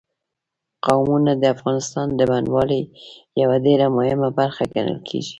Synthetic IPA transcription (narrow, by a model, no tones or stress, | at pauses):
qawmunad̪əafɣɑnɪst̪ɑnd̪əbanwɑləjawaɖeɾamʊhɪmabaɾxaɡanə̰lkʰḛʒi̥